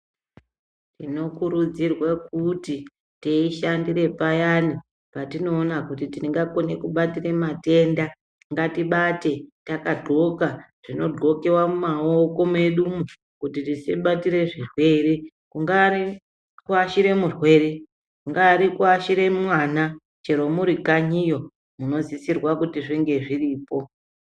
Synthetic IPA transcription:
tino̞kuɾud͡zirwakuti | teiʃandire̞pajani | patino̞ːnakutitiiŋɡakone̞kuɓatire̞mate̞nda | ŋɡatiɓate̞takadʱo̞ka | ʐ̥ino̞ɡʱo̞ke̞wamumaoko̞me̞ɗumu | kutitiseɓatiɾe̞ʐirwe̞ɾe | kuŋɡaɾi | kuaʃiɾe̞murwe̞ːɾe | kuŋɡaɾikuaʃiɾe̞mmwaːna | t͡ʃe̞ɾo̞muɾikaɲijo̞ | muno̞zisirwakutiʐiŋɡe̞ʐiriːpo̞

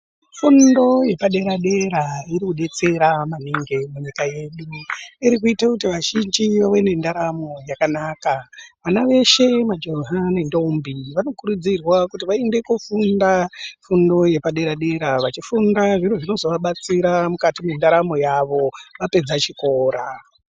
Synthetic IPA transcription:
fundo̞je̞paɗe̞ɾaɗe̞ɾaiɾikuɗe̞t͡se̞ɾamaniŋɡemuɲikaje̞ɗuiɾik̬uitakutiʋaʒind͡ʒiʋawe̞ne̞ndaɾamo̞jakanaːkaʋanaʋe̞ʃe̞mad͡ʒoɦanendoumbiʋano̞kuɾud͡zirwakutiʋaende̞kufundafundo̞je̞paɗe̞ɾaɗe̞ɾaʋat͡ʃifundaʐiɾoʐino̞zo̞ʋaɓat͡siɾamukatimendaɾamo̞jaʋo̞ʋape̞d͡zat͡ʃiko̞ːɾa

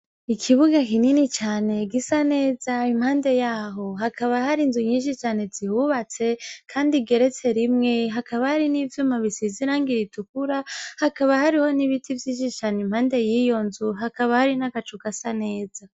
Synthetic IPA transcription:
ikʰiβuɡakininit͡ʃaːne̞ɡisane̞ːzaimhaːnde̞jaːɦo̞ɦakʰaβahaɾinzuɲiːnʃit͡ʃaːne̞zihuβat͡se̞kʰaːndiɡe̞ɾe̞t͡se̞ɾimŋe̞ɦakaβahaɾinivjumaβisiziɾaːŋɡiɾitukuɾahakaβahaɾiho̞niβitʰivjiːʃ̬it͡ʃaːnimhaːnde̞jiːjo̞nzuɦakaβahaɾinakat͡ʃukasane̞ːza

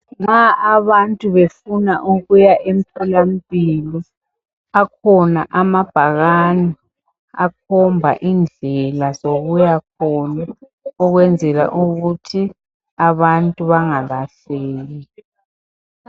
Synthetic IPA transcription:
ŋ͡ǁaʔaβantʼuβefunaʔuɣujaʔem̩pʰɛlam̩pʼilɔ | akʰɔnaʔamab̥ʱaɣani | ak̚ʰɔmbʱa̰ʔind͡ɮʱɛlazoɣujak̚ʰɔna | ɔɣwɛnd͡zʱɛla̰ʔuɣutʰi | aβantʼuβaŋaβaɬeːɣi

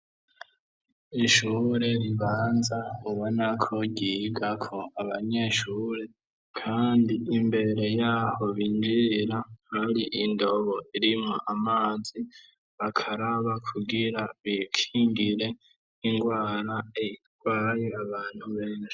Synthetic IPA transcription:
iʃuːɾe̞ɾiβaːnzauβo̞nakʰo̞ɟiɡakʰo̞aβaɲe̞ʃuɾe̞ | kʰaːndiʔimbe̞ɾe̞jaːho̞βind͡ʒiɾahaɾiʔindo̞βo̞ʔiɾimoʔamaːzi | βakʰaɾaβakʰuɡiɾaβikʰiːŋɡiɾe̞ | iŋɡwaːɾaei | ɡwaːjeaβaːn̥huβeːne

